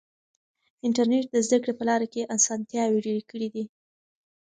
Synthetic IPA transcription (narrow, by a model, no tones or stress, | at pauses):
ɪɳʈaɾneʈ̚d̪əzd̪əkɽepəlɑɾakeʔasɑnt̪jɑweɖeɽekəɽid̪i